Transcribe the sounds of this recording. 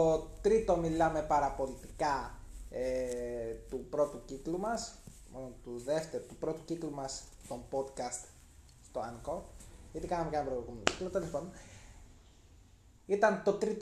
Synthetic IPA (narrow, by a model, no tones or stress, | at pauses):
ot̪ɾit̪o̞milɐme̞pɐɾɐpo̞lit̪ikɐe | t̪upɾo̞t̪uciklumɐs | monot̪uðe̞ft̪eɾot̪upɾo̞t̪u̥ciklumɐst̪o̞mbo̞d̪kɐst̪ | st̪oɐŋkoet̪ikɐnɐmecɐnɐpɾooɣumeno̰ciklot̪elespo̞n | it̪ɐnt̪o̞t̪ɾit̪